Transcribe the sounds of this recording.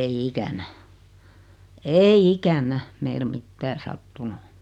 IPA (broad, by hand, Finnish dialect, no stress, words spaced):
ei ikænæ eːi ikænˑæ meil mitːæː sɑtːunu